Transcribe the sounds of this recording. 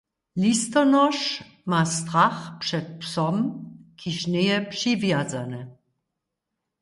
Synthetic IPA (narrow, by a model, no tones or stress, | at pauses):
list̪ɔnɔʃ | mast̪ʁaχpʂɛt̪̚psɔmkʰiʃnejɛpʂivjad͡zanɛ